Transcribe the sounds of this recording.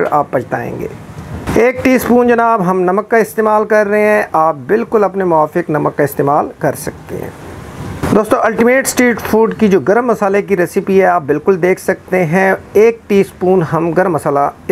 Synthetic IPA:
ɾa̰ːp̚bɐt͡ʃt̪a̰ːḛ̃ːŋɡḛːeːk̚ʈiːspuːnd͡ʒɐnaːbɦɐmnɐməkːaɪst̪eːmaːlkɐɾːɐɦeɦɛ̃ʔaːp̚bɪlkʊlɐpnemʊaːfɪknɐməkːaɪst̪eːmaːlkɐɾsɐk̚t̪ḛɦɛ̰̃ː | d̪oːst̪õʔɐlʈimeːʈsʈɾiːʈfʰuːɖkid͡ʒoːɡɐɾmːɐsaːlek̬iɾɛːsɪpiɦɛaːp̚bɪlkʊld̪eːkʰsɐk̚t̪eɦɛ̃eːk̚ʈiːspuːnɦɐmɡɐɾmːɐsaːla

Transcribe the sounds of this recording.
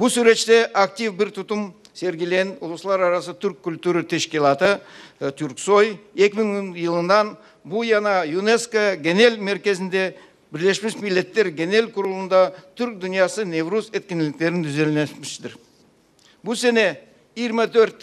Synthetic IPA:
bʊsuɾe̞t̪ʃt̪e̞ʔak̚t̪ivbɪɾt̪ʰʊt̪əm | se̞ɾɡʲele̞nʊ̰lˠəsəlˠɑɾɑɾɑsət̪ʰʏɾkʲʰːʊlʲt̪uɾət̪ʰeʃkʲelˠɑt̪ət̪ʰyɾkso̞je̞kʲɪmɪŋjəlˠənd̪ɑn | bujɑnɑjuneskoɡʲene̞lmeɾkʲe̞zɪnd̪e̞ | bɪɾle̞ʃmɪsmilːe̞t̪ːe̞ɾɡʲene̞lkʰʊɾəlˠənd̪ɑt̪ʰʏɾk̚d̪ʊnijɑsəne̞vɾuset̪kʲenɪlɪk̚t̪e̞ɾɪnt̪ʰʏze̞lnemɪʃʃɪ̥d̪ɪɾ | bʊse̞ne̞ | ijəɾmɑt̪ʰɵɾt̪

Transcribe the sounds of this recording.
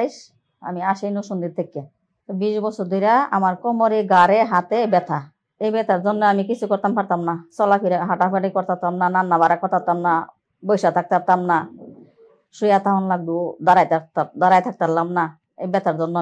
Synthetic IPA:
jʃ | a̰miaʃejnoʃund̪iɾt̪ʰːekːe | biʃbɔsʰɔɾd̪ojɾaa̰maɾkɔmɔɾeɡaɾeɦat̪ebɛt̪ʰa | ejbɛt̪ʰaɾd͡zɔnːɔamikit͡sʰukɔɾt̪ampaɾt̪amnasɔlakʰiɾeɦaʈafeʈikɔɾt̪ʰat̪amnananːaβaɾakɔɾt̪ʰat̪amna | bɔjʃat̪ʰak̚t̪ʰap̚t̪amna | ʃujat̪aɦɔnlaɡ̚d̪ud̪aɾajt̪at̪ad̪aɾajt̪ʰak̚t̪aɾlamna | ebɛt̪ʰaɾzɔnːɔ

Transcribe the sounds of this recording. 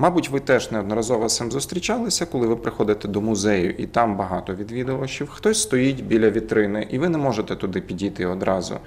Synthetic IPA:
mɑbʊtʲʋɪt̪ɛʒnɛɔd̪nɔɾɐzɔʋɐsɪmzʊst̪ɾʲit͡ʃɑlˠɪsʲɐkɔlˠɪʋɪpɾɪxɔd̪ɪt̪ɛd̪ɔmʊzɛjʊʔit̪ɑmbɐɦɑt̪ɔʋʲid̪ʋʲid̪ʊʋɐt͡ʃiwxt̪ɔsʲst̪ɔjitʲbʲilʲɐʋʲit̪ɾɪnɪʔiʋɪnɛmɔʒet̪ɛt̪ʊd̪ɪpʲidʲit̪ɪɔd̪ɾɑzʊ̰

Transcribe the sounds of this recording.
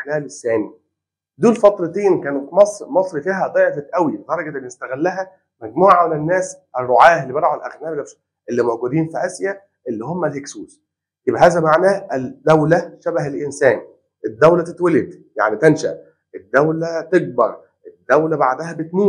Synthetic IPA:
ʔħnæːlesːæːni | d̪uːlfɑt̪ˤɾˤɑt̪eːnkæːnut̪mɑsˤɾmɑsˤɾifiːɦæd̪ˤɑːjft̪ʔæwibed̪ɑɾˤɑɡæd̪ælnest̪æɣɪlːæɦæ | mæɡmuːʕamenenːæːsʔerˤːoʕaːhelːibeɾʕolʔæ̰xnæː | ʔelːimæwɡuːd̪iːnfiʔæsjæ | ʔelːihomːælheksuːs | jebʔæɦæːzæmaʕnæːʔed̪æwlæʃæbæɦelʔensæːn | ʔed̪ːæwlæt̪et̪weled̪ja̰ʕnit̪ænʃæ̰ʔ | ʔed̪ːæwlæt̪eɡ̚bɑɾˤ | ʔed̪ːæwlæbaʕd̪æhæbet̪miː

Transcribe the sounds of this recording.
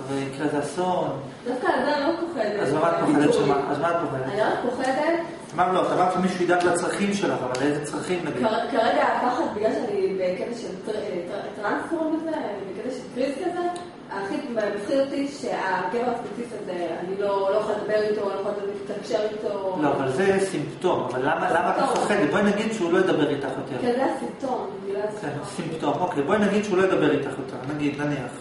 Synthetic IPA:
avakazeason | d̥̪afkadamlokoχedeazmamat̪poied̪eamaa̰zmat̪̚poχedetaniʁat̪̚poχedet | amaʁloat̪amaʁt̪imiʃujid̪at̪lat͡sʁaχimʃelaχavalezet͡sʁaχimnaɡikkaʁeɡaapaχat̪biɡlalʃeanibeketaʃelttt̪ʁansfoʁnbezevanibeket̪aʃelkʁizkaze | aːχimemχiotiʃeaɡeveʁaspet͡sifiazea̰nilo̞lojeχaldabeʁitolojxaltoietakʃeʁito̞loavalzesimpt̪o̞ma̰valːamalamat̪aaχed̪ibojnaɡid̪ʃeulo̞jed̪abeʁit̪aχjot̪eʁezejasimto̞nbiilaakensimpt̪omo̞kejbojnaɡid̪ʃeulo̞jed̪abeʁit̪aχjot̪ʰaχnaɡid̪naniaχ

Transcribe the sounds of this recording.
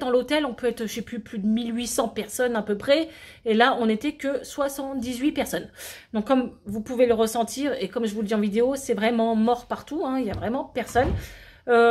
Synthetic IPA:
d̪ɑ̃lot̪ɛlɔ̃pøɛt̪χʃeplyplyd̪əmilɥisɑ̃pɛʁsɔnɛ̃pøpχɛ | elaɔ̃net̪ɛkəswasɑ̃t̪d̪izɥipɛʁsɔnd̪ɔ̃kːɔmvupuveləʁəsɑ̃t̪ʰiːʁekɔmʒəvuləd̪iɑ̃vid̪eosɛvʁɛmɑ̃mɔʁpaʁt̪uɛ̃iljavʁɛmɑ̃pɛʁsɔn | ø

